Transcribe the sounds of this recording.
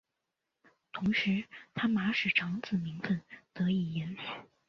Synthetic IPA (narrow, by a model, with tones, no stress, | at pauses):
t̪ʰʊ˧˥ŋʂɻ̩˧˥t̪ʰa˥ma˧˥ʂɻ̩˨˩ʈ͡ʂʰɑ˧˥ŋt͡sɹ̩˥˩mi˧˥ŋfə˥˧nt̪ɤ˧˥i˨˩jɛ˧˥n˨˩˦